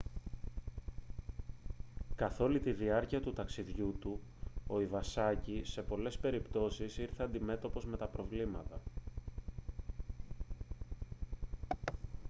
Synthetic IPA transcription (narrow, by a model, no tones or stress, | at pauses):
kɐθo̞lit̪iðiɐɾciɐt̪ut̪ɐksiðʝut̪u | o̞ivɐsɐcise̞po̞le̞spe̞ɾipt̪o̞sisiɾθeɐnd̪ime̞t̪o̞po̞zme̞t̪ɐpɾo̞vlimɐt̪ɐ